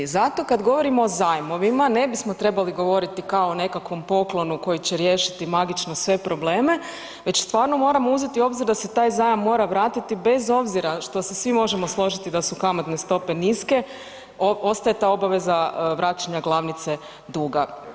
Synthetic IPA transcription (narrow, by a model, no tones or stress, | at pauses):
zat̪o̞kad̪ɡo̞ʋo̞ɾimo̞ːzajmo̞ʋimane̞bismo̞t̪ɾe̞baliɡo̞ʋo̞ɾit̪ikaoːne̞kakʋo̞mpo̞klˠo̞nuko̞jit͡ɕeɾje̞ʃi̥t̪imaɡit͡ʃno̞sʋe̞pɾo̞ble̞ːme̞ | ʋe̞t͡ɕst̪ʋaːɾno̞mo̞ɾamo̞uze̞t̪io̞bziɾd̪ase̞t̪aːjzajamːo̞ːɾaʋɾaːt̪it̪ibe̞zo̞bziɾaʃt̪o̞sesʋimo̞ʒemo̞slˠo̞ʒit̪id̪asukamat̪ne̞st̪o̞pe̞niske̞ | oo̞st̪aje̞t̪aːo̞baʋe̞zaʋɾaːt͡ʃaɲaɡlˠaʋnit̪se̞ | d̪uːɡa